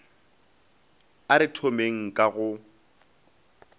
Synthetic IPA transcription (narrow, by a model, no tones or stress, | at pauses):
aɾɪtʰomeŋ̩kʼaɣʊ